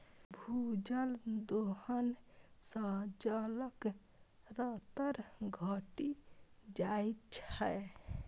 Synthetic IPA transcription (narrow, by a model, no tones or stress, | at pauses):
bʱud͡ʒəld̪ohənsə̃d͡ʒələk | ɾət̪əɾɡʱɔʈid͡ʒajt̪t͡ʃʰɛ